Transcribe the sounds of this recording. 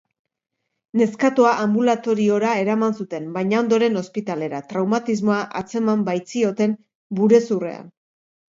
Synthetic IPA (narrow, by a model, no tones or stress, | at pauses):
ne̞skat̪oaʔambulat̪o̞ɾio̞ɾae̞ɾamansut̪e̞mbajɲao̞nd̪o̞ɾe̞no̞spit̪ale̞ɾat̪ɾawmat̪izmo̞aʔat͡se̞mambajt͡sio̞t̪e̞m | buɾe̞sure̞̰a̰n